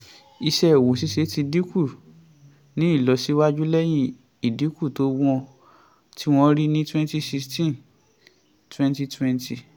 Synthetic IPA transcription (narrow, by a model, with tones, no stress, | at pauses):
i˧ʃɛ˧˨wo˨si˨˦ʃe˨˧˦ti˧di˨˦ku˦˨ | nĩ˨˦i˦˨lɔ˨˦si˨˦wa˦d͡ʒu˦lɛ˦j̃ĩ˧ | i˨di˨˦ku˦˨to˨˦w̃ɔ˧ | tʰi˦w̃ɔ̃˧ɾi˦nĩ˦twɛ̃˦nti˧˦si˧stĩ˦n | twɛ̃˦nti˧twɛ̃˧nti˨